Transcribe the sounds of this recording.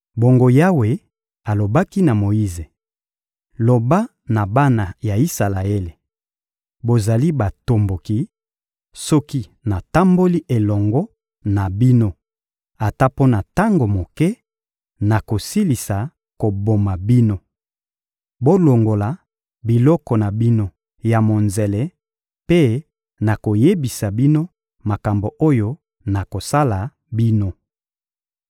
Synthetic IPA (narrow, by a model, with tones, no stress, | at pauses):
bo˨ŋɡo˨ja˦we˨ | a˨lo˨ba˦ki˦na˨mo˨i˦ze˨ | lo˨ba˦ | na˨ba˦na˨ja˨i˦sa˨la˨e˦le˨ | bo˨za˨li˦ba˨to˨mbo˨ki˦ | sɔ˦ki˦na˨ta˦mbo˦li˦ʔe˨lɔ˨ŋɡɔ˦ | na˨bi˦no˦ | a˨ta˦po˦na˨ta˦ŋɡo˨mo˨kɛ˦ | na˨ko˨si˦li˨sa˨ | ko˨bo˨ma˨bi˦no˦ | bo˦lo˨ŋɡo˨la˨ | bi˨lɔ˦kɔ˨na˨bi˦no˦ | ja˨mo˨nze˨lɛ˦ | pe˦ | na˨ko˨je˦bi˨sa˨bi˦no˦ | ma˨ka˨mbo˨ʔo˦jo˦ | na˨ko˨sa˦la˨ | bi˦no˦